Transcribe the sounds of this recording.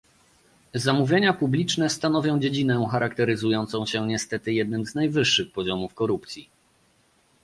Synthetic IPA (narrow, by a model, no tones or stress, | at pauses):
zamuvʲjeɲapublʲit͡ʂnɛst̪anɔvʲjɔ̃w̃d͡ʑed͡ʑinɛ̃xaɾak̚t̪ɛɾɘzujɔnt̪sɔ̃w̃ɕɛɲɛst̪ɛt̪ɘjɛd̪̚nɘmznajvɘʂːɘxpɔʑɔmufkɔɾupt̪sʲi